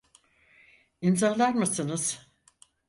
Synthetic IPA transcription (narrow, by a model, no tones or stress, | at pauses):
inzaːlˠanmasɯnɯz̥